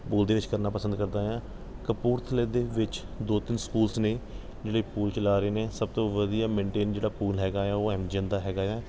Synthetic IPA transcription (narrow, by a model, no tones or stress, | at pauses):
puːld̪eːʋɪt͡ʃkəɾnaːpəsənd̪kəɾd̪aːãː | kəpuːɾt̪ʰəleːd̪eːʋɪt͡ʃd̪oːt̪ɪnskuːlsneː | d͡ʒeːɽeːpuːlt͡ʃəlaːɾəeːneːsəb̚t̪õːʋəd̪ijaːmẽːɳʈeːnd͡ʒeːɽaːpuːlɦɛːɡaːɛːoːɛːmd͡ʒənd̪aːɦɛːɡaːɛː